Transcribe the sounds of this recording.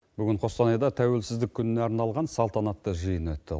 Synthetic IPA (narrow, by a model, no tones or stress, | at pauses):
bʏɡʲɪɴqʰo̞st̪ɑnɑjd̪ɑt̪ʰæwe̞lsɪzd̪ɪkʲʰːʏnɪneɑɾnɑlˠʁɑnsɑlˠt̪ɑnɑt̪ːəʒəjənwɵt̪ːɪ̰